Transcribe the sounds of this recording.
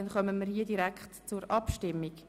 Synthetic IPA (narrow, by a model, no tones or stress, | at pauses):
ɛnχœməmiɾhiːədiɾækχtt͡sʊɾɑpʃtɪmːiɡ